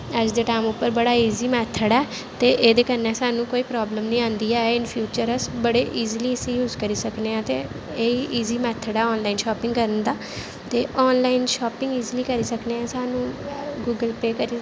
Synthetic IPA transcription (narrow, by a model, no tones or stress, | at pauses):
əd͡ʒd̪eːʈaːmʊpːəɾbəɽaːiːziːmɛːt̪ʰːəɽɛː | t̪eːʔeːd̪eːkənːɛːsaːnũːkoːiːpɾɔːbləmnĩːãːnd̪iːɛːɪnpʰjuːt͡ʃəɾəsbəɽeːʔiːzliːəsĩːjuːzkəɾiːsəkneːãːt̪eː | eːiʔiːziːmɛːt̪ʰːəɽɛːɔːnlaːɪnʃɔːpɪ̃ŋɡkəɾənd̪aː | t̪eːʔɔːnlaːɪnʃɔːpɪ̃ŋɡiːzliːkəɾiːsəkneːɛ̃ːsaːnũːɡuːɡəlpeːkəɾiː